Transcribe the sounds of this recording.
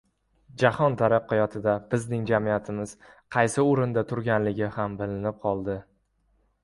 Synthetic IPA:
d͡ʒahɒnt̪ʰaɾaqʰːɑjɒt̪ʰɪd̪abɪznɪŋd͡ʒamijat̪ʰɪmɪz̥ | qʰɑjsɪʊɾɪnd̪at̪ʰʊɾɡʲanlɪɡʲɪhambɪlɪnɪp̚qʰɒlˠd̪ɪ

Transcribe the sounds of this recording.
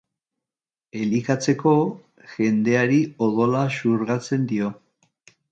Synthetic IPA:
e̞likat͡se̞ko̞ | ʝe̞nd̪e̞aɾioðo̞lasuɾɣat͡se̞nd̪io̞

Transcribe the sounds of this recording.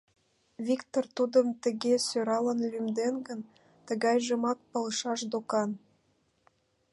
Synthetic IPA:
vʲikt̪ort̪ud̪ə̆mt̪ə̆ɣesøɾɑlə̆nlymd̪enɡə̆n | t̪ə̆ɣɑjʒɤ̆mɑk̚pɑlˠɤ̆ʃɑʃd̪okɑn

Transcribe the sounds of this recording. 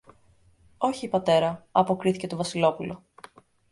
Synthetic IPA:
o̞çiːpɐt̪e̞ɾɐɐpo̞kɾiθice̞t̪ovɐsilo̞pulo̞

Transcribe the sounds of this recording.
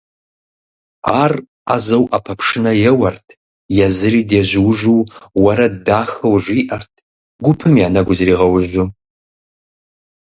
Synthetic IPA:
aːr | a̰zɐwʔɐpʰɐpʰʂɨnɐjɛwɐrtʰ | jɛzɨriːdeːʑɪwʒuːwɐɾɐdaːxɐwʒiːʔɐrtʰ | ɡʷʊpʰɨmjaːnɐɡʷʊzɾiːʁɐwʊʑʊ

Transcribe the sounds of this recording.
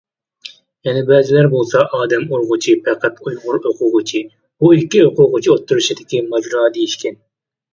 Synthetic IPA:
jɛnɪbɛːzɪlæɾbolˠsɑʔɑːd̪ɛmoɾʁʊt͡ʃʰipʰɛqʰæt̪ujʁʊɾoqʰʊʁʊt͡ʃʰi | buikʲːioqʊʁʊt͡ʃʰiot̪ʰːuɾuʃid̪ɪkʲimɑd͡ʒɾɑːd̪ejiʃkʲʰɛn

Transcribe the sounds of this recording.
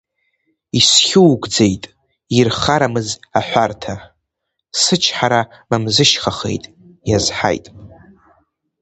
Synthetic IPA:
isχʲuwɡʷd͡zejtʼ | irχaɾamɨzaħʷartʰa | sɨt͡ʃʰħaɾamamzɨʃχaχe̞̰jtʼ | jazħa̰jtʼ

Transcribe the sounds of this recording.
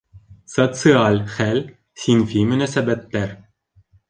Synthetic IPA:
sot̪sɨalʲχælʲ | sʲinfʲimɘ̆næsæbæt̪ːæɾ

